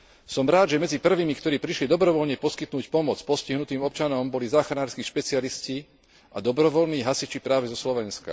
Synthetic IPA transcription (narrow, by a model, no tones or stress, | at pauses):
sɔmɾaːd̪ʒɛmɛd͡zipr̩ʋiːmikt̪ɔɾiːpɾiʃlid̪ɔbɾɔʋɔlɲɛpɔskit̪nuːcpɔmɔt͡spɔsciɦnut̪iːmɔp̚t͡ʃanɔmbɔlizaːxɾanaːɾskiːʃpɛt͡sialisci | ad̪ɔbɾɔʋɔlniːɦasit͡ʃipɾaːʋɛzɔslɔʋɛnska̰